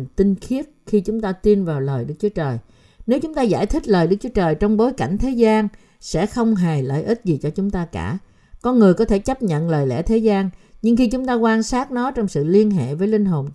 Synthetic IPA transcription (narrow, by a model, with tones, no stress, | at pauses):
nt̪i˧ŋxi˦˥ət̚xi˧t͡ɕʊ˨˦ŋ͡mt̪aː˧t̪i˧nvaː˨˩wləː˨˩jɗɨ˦˥ək̚t͡ɕu˨˦ət͡ɕəː˨˩j | ne˨˦wt͡ɕʊ˨˦ŋ͡mt̪aː˧za̰ː˧˩jt̪ʰï˦˥k̟̚ləː˨˩jɗɨ˦˥ək̚t͡ɕwu˨˦ə˦t͡ɕəː˨˩jt͡ɕɔ˧wŋ͡mɓo˨˦jka˧˩jŋ̟t̪ʰe˨˦zaː˧n | sɛ̰˧˥xə˧wŋ͡mɦa˨˩jlə̰ː˧˨jʔi˦˥t̚zi˨˩t͡ɕɔ˧t͡ɕʊ˨˦ŋ͡mt̪aː˧ka̰ː˧˩ | kɔ˧nŋɨ˨˩əjkɔ˨˦t̪ʰe˧˩t͡ɕə˦˥p̚ɲə̰˧˨nləː˨˩jlɛ̰˧˩t̪ʰe˨˦zaː˧nɲɨ˧ŋxi˧t͡ɕʊ˨˦ŋ͡mt̪aː˧kwaː˧nsaː˦˥t̚nɔ˨˦t͡ɕɔ˧wŋ͡msɨ̰˧˨li˧ənɦḛ˧˨vəː˨˦jlï˧ŋ̟ɦo˨˩n